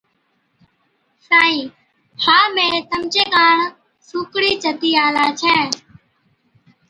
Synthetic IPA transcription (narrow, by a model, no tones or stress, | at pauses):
saːĩː | haːmẽːsəmt͡ʃeːkaːɳ | suːkɽiːt͡ʃət̪iːaːlaːt͡ʃʰɛː